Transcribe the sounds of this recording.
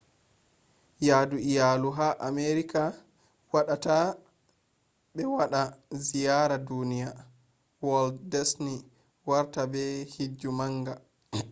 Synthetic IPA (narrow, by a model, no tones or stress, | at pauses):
jaːduijaluɦaʔameɾika | waɗata | ɓɛwaɗazijaɾadunija | wɔlddɛsni | waɾtabɛhid͡ʒːumaŋɡa